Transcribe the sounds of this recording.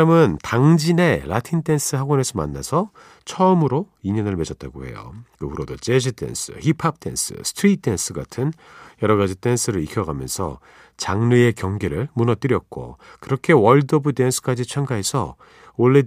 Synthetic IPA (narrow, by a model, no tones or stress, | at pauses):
amɯntaŋd͡ʑine̞ɾʔatʰint͈e̞ns͈ʰɯɦaɡwʌnesʰʌma̰nːa̰sʰʌ | t͡ɕʰʌɯmɯɾoiɲʌnɯɭme̞d͡ʑʌt̚t͈aɡohe̞̰jo̰kɯuɾodot͡ɕe̞ɕʰit͈ʰe̞̰ns͈ʰɯ̰hipʰab̚t͈ʰe̞̰ns͈ʰɯ̰sʰɯ̥tʰɾit̚t͈ːe̞ns͈ʰɯɡa̰tʰɯnjʌɾʌɣad͡ʑit͈e̞nsʰɯɾɯɾikʰjʌɡamjʌ̰nsʰʌ̰ | t͡ɕaŋnɯe̞kjʌŋɡeɾɯɭmunʌt͈ɯɾjʌt̚k͈o̰kɯɾʌkʰe̞wʌɭdʌbɯte̞nsʰɯ̥k͈ad͡ʑit͡ɕʰʌŋɡaɦe̞sʰʌ̰ | oɭːe̞